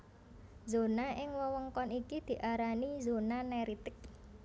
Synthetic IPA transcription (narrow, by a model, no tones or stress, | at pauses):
zonaʔɪŋwəwɔŋkɔnikid̪̥i̤ʔaɾanizonanɛɾit̪ɪk̚